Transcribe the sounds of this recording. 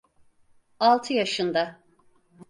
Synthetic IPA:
alˠt̪ʰɯjaʃɯnd̪a

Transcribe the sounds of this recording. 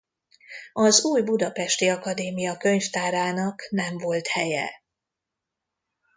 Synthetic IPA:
ɒzuːjbud̪ɒpɛʃt̪iɒkɒd̪eːmijɒkø̞ɲft̪aːɾaːnɒknɛɱvo̞lt̪hɛjɛ̰

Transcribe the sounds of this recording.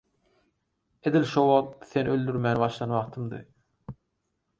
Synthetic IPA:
ed̪ilʃowɑʁt̪θe̞nø̞ld̪yɾmænβɑʃd̪ɑnwɑqt̪ʰɯmd̪ɯ̰

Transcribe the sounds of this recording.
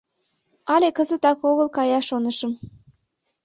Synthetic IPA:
ɑlʲekəzə̆t̪ɑkoɣə̆lkɑjɑʃonə̆ʃə̆m

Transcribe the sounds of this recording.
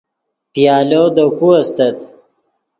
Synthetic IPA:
pjɑːlod̪okuɐst̪ɐt̪

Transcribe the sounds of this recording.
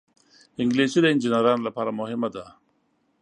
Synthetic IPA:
ɪŋɡlesid̪ɐɪnd͡ʒinaɾɑːnlapɑːɾamʊɦɪmad̪a

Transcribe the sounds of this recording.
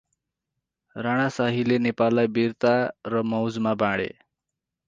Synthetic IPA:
raɽ̃asaɦilenepalːajbirt̪arʌmʌwd͡zmabãɽḛ

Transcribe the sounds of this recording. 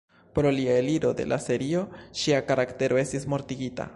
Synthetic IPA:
pɾo̞liaeliɾo̞de̞̰lʔa̰se̞ɾio̞ʃiakaɾakte̞ɾʔo̞e̞stismo̞ɾtiɡita̰

